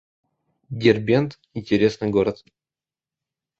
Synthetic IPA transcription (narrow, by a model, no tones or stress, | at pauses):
dʲerbʲent̪ | inʲtʲeɾʲesnɨjɡoɾət̪